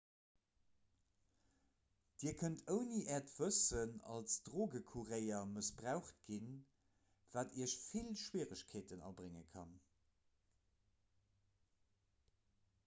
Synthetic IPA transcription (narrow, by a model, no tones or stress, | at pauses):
d̥iːɐkʰəntʰəʊniʔɛːɐtv̥əsənɑ̰lsd̥ʁoːɡəkʰuʁeɪɐməsb̥ʁaʊχtɡin | v̥aːtʰiəɕfilʃwiːʁəɕkʰeːtənɑ̰bʁeŋə̰kʰɑn